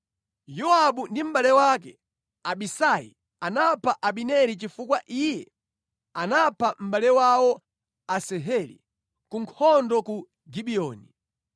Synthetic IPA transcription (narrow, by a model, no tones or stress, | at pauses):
jɔaɓundim̩ɓalɛwak̬ɛ | aɓisaḭ | anapʰaʔaɓinɛɾit͡ʃifukwaʔijɛ | anapʰam̩ɓalɛwawɔ | asɛɦɛlḭ | kuŋkʰɔndɔku | ɡiɓiɔːni